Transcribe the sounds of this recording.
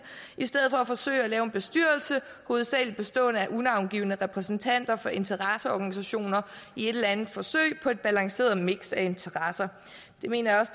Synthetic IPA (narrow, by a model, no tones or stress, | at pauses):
isd̥eð̰̩ˠfɒ̽æfɒ̽sø̰ːɪælɛːʊenb̥e̝sd̥yɐ̰lsə | ho̝ːð̩ˠsɛ̰ɪlid̥̚b̥e̝sd̥ɔ̰̽ːnəæʔunɑ̈ʊnɡ̥ḭːʊnəʁɛpʰʁɛsn̩t͡sʰæn̰d̥ɐfɒ̽e̝nt͡sʰəʁɑsəɒːɡ̥ænisæɕo̝̰ːnɐie̝d̥elænð̩ˠfɒ̽sø̰ɪ̰pʰɒ̽e̝d̥̚b̥ælɑ̈ŋse̝̰ːɐð̩ˠmeɡ̥sæe̝nt͡sʰɐʁɑsɐ | d̥e̝me̝̰ːnɐjɑɒ̽s